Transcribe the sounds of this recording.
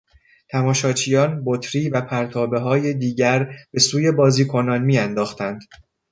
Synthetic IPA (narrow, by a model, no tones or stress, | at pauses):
t̪ʰæmɒːʃɒːt͡ʃʰijɒːnbot̪ʰɾiːvæpʰæɾt̪ʰɒːbe̞ɦɒːje̞d̪iːɟæɾb̥e̞suːje̞bɒːziːkʰo̞nɒːnmiːænd̪ɒːxt̪ʰænd̪̥